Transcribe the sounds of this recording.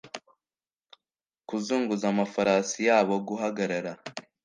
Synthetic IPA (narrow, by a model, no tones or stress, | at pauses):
kuzuːŋɡuzamafaɾaːsijaːβo̞ɡuɦaɡaɾaɾa